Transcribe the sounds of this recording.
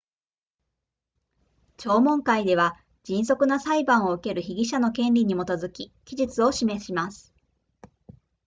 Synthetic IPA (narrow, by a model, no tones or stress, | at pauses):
t͡ɕo̞ːmõ̞ŋkaid̪e̞β̞a | d͡ʑĩɰ̃so̞kɯ̟nasaibãɰ̃oɯ̟ke̞ɾɯ̟çiɡʲiɕano̞kẽ̞nɾʲiɲ̟imo̞t̪o̞zɨkʲikʲiʑit͡sɨo̞ɕime̞ɕimasɨ̥